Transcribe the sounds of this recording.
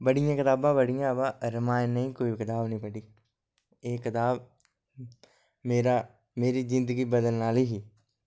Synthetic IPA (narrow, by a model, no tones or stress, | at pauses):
bəɽɪjãːkɪt̪aːbãːbəɽɪjãːbãːɾəmaːnəĩːkoːikɪt̪aːbnəĩːpəɖiː | eːkɪt̪aːb | meːɾaː | meːɾiːzɪ̃nd̪əɡiːbəd̪əlnaːliːɦiː